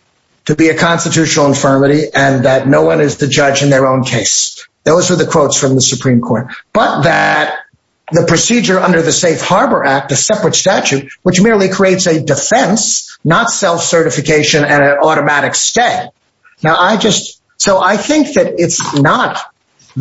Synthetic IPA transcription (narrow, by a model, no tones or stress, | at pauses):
tʰɨbiɨkʰɑ̃nstɨtʰʉʃnl̩ˠə̃ɱfɜ˞mɨɾiʔɨ̃nðɨtⁿnoʊwʌ̃nɨzðɨd͡ʒʌd͡ʒɨ̃nðə˞õʊ̃nkʰeɪsðoʊzwəðɨkʰw̥oʊtsfɹʌ̃mðəsɨpʰɹ̥ĩmkʰɔɹt̚b̥ʌt̪̚ðɨt̪̚ | ðɨpʰɹ̥ɨsid͡ʒə˞ʌ̃ndə˞ðɨseɪfhɑɹbə˞ʔæk̚tɨsɛpɹɨtstæt͡ʃʉt̚wət͡ʃmɪɹlˠikʰɹ̥ieɪtsɨdɨfɛ̃nsnətsɛlˠfsɜ˞ɾɨfɨkʰeɪʃɨ̃nɨ̃nɨ̃nɔɾɨmæɾɨksteɪ | naʊʔaɪd͡ʒʌst̚ | soʊʔaɪθɪ̃ŋk̚ðɨɾɪtsnət̪̚